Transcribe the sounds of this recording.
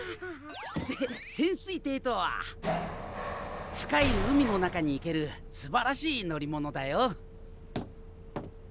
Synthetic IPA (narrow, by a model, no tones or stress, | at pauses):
esẽ̞ɰ̃sɨit̪e̞ːt̪o̞βa̰ | ɸɯ̟̥kainoɯ̟mʲino̞nakaɲ̟iːke̞ɾɯ̟ | sɨbaɾaɕiːno̞ɾʲimo̞no̞d̪ajo